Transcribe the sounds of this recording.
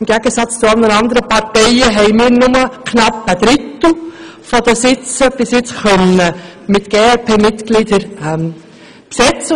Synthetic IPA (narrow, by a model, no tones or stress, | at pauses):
mɡ̥æɡəsɑt͡st͡sʊɑlˠnənɑnd̪əɾəpɑɾtɛɪəɦɛɪmɪːɾnʊməkʰnɑpːəd̥̪ɾɪt̪l̩ˠ | fɔd̪əsɪt͡səb̥ɪsjɪt͡sχœnə | mɪtɡ̥eːɛlpʰeːmɪtɡ̥lidəɾɛm | psɛt͡sə